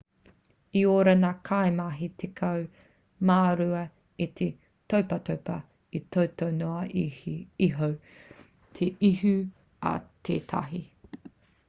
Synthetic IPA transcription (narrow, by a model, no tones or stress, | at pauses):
ioːɾɐnakʰajmaɦitʰekʰɐw | maːɾuɐ | it̪ʰe | towpɐtowpɐ | itʰowtʰownoɐ | iɦow | tʰeʔiɦʉ | ɐ̰t̪ʰeːtʰɐ̰ɦi